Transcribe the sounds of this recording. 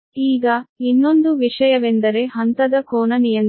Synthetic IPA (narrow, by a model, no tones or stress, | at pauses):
iːɡɐinːo̞nd̪uʋiʂɐjɐʋend̪ɐɾe̞ɦɐnt̪ɐd̪ɐkoːnɐnijɐn